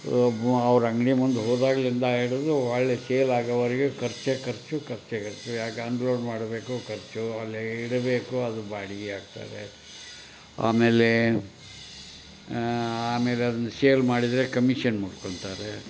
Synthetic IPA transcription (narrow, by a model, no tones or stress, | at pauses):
ɐʋɐɾɐŋɡɐɳimund̪uɦoːd̪aːɡɐlind̪ɐɦeɽud̪uaːɭːeseːlaːɡɐʋɐɾiɡekɐɾt͡ʃekɐɾt͡ʃukɐɾt͡ʃekɐɾt͡ʃujaːɡɐnɖloːɖmaːɽbe̞ːkukɐɾt͡ʃuɐlːiiɽɐbeːkuɐd̪ubaːɽiɡeaːɡ̚t̪a̰ːɾe | a̰ːmeːle | aːme̞ːleɐd̪ɐnːɐseːlmaːɽid̪ɾe̞kɐmiʂɐnmuɖkoɳt̪aːɾe